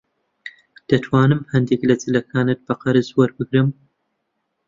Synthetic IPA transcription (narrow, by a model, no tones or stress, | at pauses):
d̪̥ɐt̪ʰwaːnɨmhɐnd̪eklɐd͡zɨlɐkʰaːnɨt̪̚bɐqɐɾɨzwɐɾbɨɡɾɨm